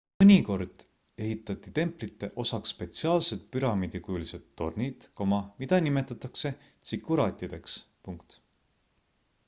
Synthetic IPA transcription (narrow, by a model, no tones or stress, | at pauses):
mɤnʲiko̞rd̪̥ | e̞ɦit̪ːˑɑt̪ˑːit̪e̞mplit̪ˑːe̞ʔo̞sɑkspe̞t̪siɑːlset̪̚pyɾɑmid̪̥ʲikuliset̪ːo̞̰rnid̪̥ko̞mɑmid̪̥ɑnimet̪ːˑɑt̪ːˑɑkse̞ | t̪sikːˑuɾɑːt̪ʲːˑid̪̥e̞ks | puŋkt̪